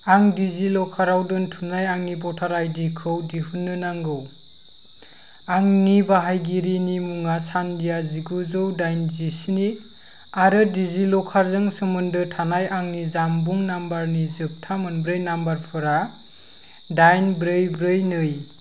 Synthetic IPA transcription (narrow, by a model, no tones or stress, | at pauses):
aŋdizilɔkʰaɾawdɯntʰunajaŋnibɔtʰaɾajdikʰɯwdihunːɯnaŋɡɯw | aŋnibaɦajɡiɾinimuŋasandijaziɡuzɯwdajnzisini | aɾɯdizilɔkʰaɾzɯŋsɯmɯndɯtʰanajaŋnizambuŋnambaɾnizɯp̚tʰamɯnbɾɯjnambaɾpʰɯɾa | dajnbɾɯjbɾɯjnɯj